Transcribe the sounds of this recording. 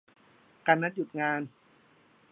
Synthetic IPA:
ka˧nːa˦˥t̪̚ju˨˩ŋaː˧n

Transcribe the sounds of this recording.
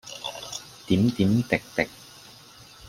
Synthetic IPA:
t̪iː˨˥mt̪iː˨˦˥mt̪ɪ˨k̚t̪ɪ˨k̚

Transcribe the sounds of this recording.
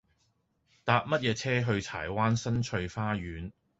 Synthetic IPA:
t̪aː˨˧p̚mɐ˥t̚jɛː˨˧t͡sʰɛː˥ɦɵ˧ɥt͡sʰa̰ː˨˩jwaː˥nsɐ˥nt͡ʃʰɵ˧ɥfaː˥ɥyː˨˥n

